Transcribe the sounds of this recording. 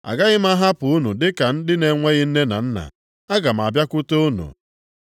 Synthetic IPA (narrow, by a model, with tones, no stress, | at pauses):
a̰˨ɡa˦ɣɪ˦m˦a˦ɦa˦pʊ˨u˦nu˨dɪ˦ka˨n̩˦dɪ˦ne˨˦ŋʷe˦ɣɪ˦n̩˦ne˦na˨n̩˦na̰˨ | a˦ɡa˨m̩˨a˨bja˦kʊ˦to˦u˦nṵ˨